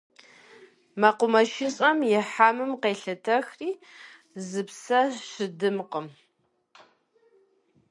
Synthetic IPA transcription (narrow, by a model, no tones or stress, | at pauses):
mɐqʷʊmɐʃɪɕʼɐmjɛħaːmɨmqeːɬɐtʰɐxriː | zɨpsɐɕɨdɨmqəm